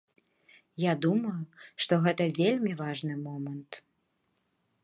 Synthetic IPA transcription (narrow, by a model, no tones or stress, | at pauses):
jad̪umɐjuʂt̪ɔɣɛt̪ɐvʲelʲmʲivaʐnɨmɔmɐnt̪